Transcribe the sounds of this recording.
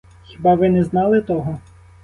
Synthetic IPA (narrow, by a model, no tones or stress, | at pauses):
xʲɪbɑʋɪnɛznɑlˠɪt̪ɔɦɔ